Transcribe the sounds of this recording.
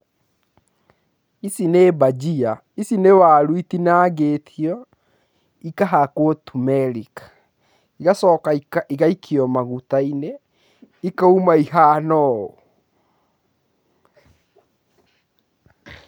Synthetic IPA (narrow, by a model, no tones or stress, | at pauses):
isinebad͡ʒia | isinewaːɾwitinaɡetʰiɔ | ikaɦakwɔtumɛɾikḁ | iɣasɔkaiaiɣaikʰiɔmaɣutaine | ikaumaiɦanɔo